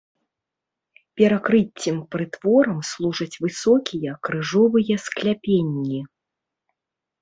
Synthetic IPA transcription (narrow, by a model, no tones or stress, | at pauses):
pʲɛɾakɾɨt͡sʲːimpɾɨt̪v̥ɔɾɐmslˠuʐɐt͡sʲvɨsɔkʲijɐkɾɨʐɔvɨjɐsklʲapʲenʲːi